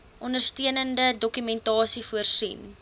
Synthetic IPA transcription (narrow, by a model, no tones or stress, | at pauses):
ʔɔndərstiənəndədɔkymɛntɑːsifuərsḭn